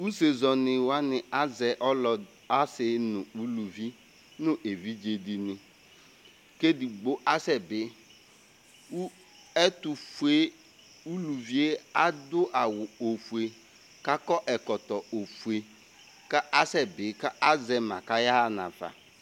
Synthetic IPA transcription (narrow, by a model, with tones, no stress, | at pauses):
u˦se˨zɔ˨nɪ˨wa˦nɪ˨a˦zɛ˨ʔɔ˦lɔ˨ | a˦sɪ˦nʊ˨u˦lu˨vi˦ | nʊ̃˦ʔe˨vi˦d͡ʒe˨di˨nɪ˨ | ke˦di˨ɡ͡bo˦ʔa˦sɛ˨bɪ˨˦ | u˦ | ɛ˦tu˨fu˨e˦ | u˦lu˨vi˦e˦a˦dʊ˦ʔa˨wʊ˨o˨fu˨e˨ | ka˦kɔ˦ʔɛ˨kɔ˨tɔ˨o˨fu˨e˨ | ka˦ʔa˦sɛ˨bɪ˨˦ka˦ʔa˦zɛ˨ma˨ka˦ja˦˨na̰˨fa̰˨